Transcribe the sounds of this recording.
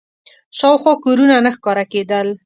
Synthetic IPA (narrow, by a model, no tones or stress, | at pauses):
ʃɑwxwɑkoɾunanaxkɑɾaked̪əl